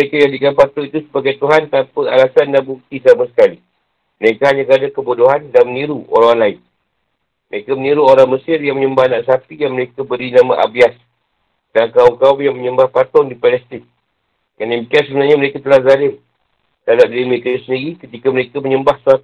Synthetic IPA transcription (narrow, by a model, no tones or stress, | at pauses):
əekajadikanpat̪ɔŋit̪usəbaɡajt̪uɦant̪ampəalasandanbuk̚t̪isamasə̥kali | məɾekaɦaɲakəɾadakəbuduɦandanməniɾuʔo̰ɾaŋlaɪn | məɾekaməniɾuoɾaŋməsɪrjaŋməɲəmbahnaʔsapijaŋməɾekabəɾinamã̰ʔa̰bias | dankauŋkaujaŋməɲəmbahpat̪ɔŋdipalɛst̪ɪŋ | kanamikansəbənarɲaməɾekat̪əlahzalɪm | d̥adap̚diliməɾekait̪usəndiɾikət̪ikaməɾekaməɲəmbahsua